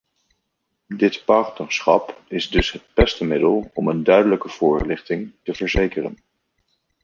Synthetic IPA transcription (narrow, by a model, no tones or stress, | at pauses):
dɪtpɑɹtnəɹsχɑpɪzdɵsɦət̚b̥ɛstəmɪdəlˠɔməndœɥdələkəv̥ʊːɹlɪχtɪŋtəvəɹzejkərə̰n